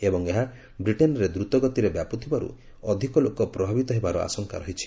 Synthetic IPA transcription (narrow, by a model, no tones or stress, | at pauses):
ebɔŋeɦa | bɾiʈenɔɾed̪ɾut̪ɔɡɔt̪iɾebjapɔt̪ʰibaɾṵ | ɔd̪ʱikɔlokɔpɾɔbʱabit̪ɔɦebaɾɔa̰sɔŋka̰ɾɔɦit͡ʃʰi̥